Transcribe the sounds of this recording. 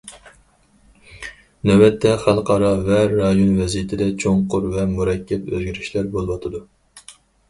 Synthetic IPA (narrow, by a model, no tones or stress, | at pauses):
nɛbɛt̪ʰːɛχælˠqɑɾɑvɛɾɑjonvɛzijɪt̪ʰɪd̪ɛt͡ʃʰoŋqʊɾvɛmuɾɛkʲʰːɛpøzɡʲiɾɪʃlæɾbolˠwɑt̪ʰɨd̪u